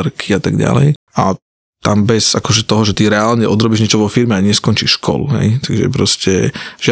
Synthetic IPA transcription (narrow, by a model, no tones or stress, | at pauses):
ɾkʰiat̪aɡɟa̰lɛ̰jʔa | t̪ambɛzakɔʒɛt̪ɔɦɔʒɛt̪iɾɛaːlɲɛʔɔd̪ɾɔbiʒɲɛt͡ʃɔʋɔfiɾmɛaɲɪɛskɔnt͡ʃiʃʃkʰɔ̰lṵɦɛ̰jt̪aɡʒɛ̰pɾɔscɛʒɪ